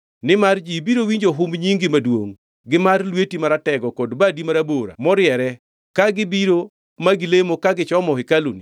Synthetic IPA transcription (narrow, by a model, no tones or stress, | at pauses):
nɪmard͡ʒibiɾowiɲd͡ʒoɦʊmɲiŋɡimadwo̰ŋ | ɡɪmarlwetimaɾatɛɡɔkɔdbadimaɾaboɾa̰mɔɾɪjɛɾɛ | kaɡɪbiɾo | maɡɪlemokaɡɪt͡ʃɔmɔɪkalṵni